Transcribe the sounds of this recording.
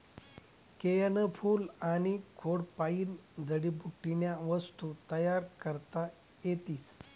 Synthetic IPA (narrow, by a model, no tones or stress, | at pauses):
kejənəfuːlaɽ̃ikʰoɽpaiːnd͡zəɽibʱuʈːinjaʋəst̪ut̪əjaɾkəɾt̪a | jet̪iːs